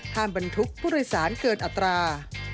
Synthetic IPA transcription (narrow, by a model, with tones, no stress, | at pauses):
hʰaː˧˩mba˧nt̪ʰu˦˥k̚pʰu˥˩ɾɯ˥˧˩jsaː˩˦nkɤː˨˩t̪̚ʔa˨˧˩t̪ːɾaː˧